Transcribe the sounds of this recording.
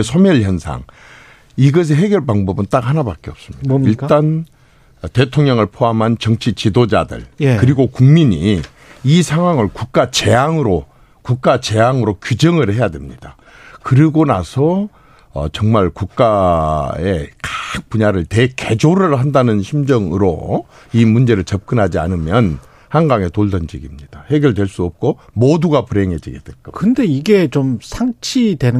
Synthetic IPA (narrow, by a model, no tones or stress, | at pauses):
sʰomʌɭçjʌnsʰa̰ŋ | iɡʌs̬ʰeɦe̞ɡjʌɭpaŋbʌbɯnt͈ak̚hanabak͈̚eʌp̚s͈ɯmɲidiɭt͈an | te̞tʰoŋɲʌŋɯɭpʰoamɦant͡ɕʌŋt͡ɕʰit͡ɕidod͡ʑadɯ̰ɭkɯɾiɡokuŋmiɲḭ | isʰaŋɦwaŋɯɭkuk̚k͈at͡ɕe̞aŋɯɾo | kuk̚k͈at͡ɕe̞aŋɯɾokud͡ʑʌŋɯɭhe̞jadwe̞̰mɲid̥a̰ | kɯɾiɡona̰sʰʌ | ʌ̰t͡ɕʌŋmaɭkuk̚k͈a | e̞kḁk̚p͈uɲaɾɯɭte̞ke̞d͡ʑoɾɯɭɦandanɯnɕʰimd͡ʑʌŋɯɾo̰ | imund͡ʑe̞ɾɯɭt͡ɕʌp̚k͈ɯnɦad͡ʑia̰nɯmjʌn | haŋɡaŋe̞toɭdʌnd͡ʑiɡimɲid̥ahe̞ɡjʌɭdwe̞ɭs͈uʌp̚k͈omoduɡapuɾe̞ŋɦe̞d͡ʑḭɡe̞dwḛk͈akɯnde̞iɡe̞t͡ɕomsʰaŋt͡ɕʰidwe̞n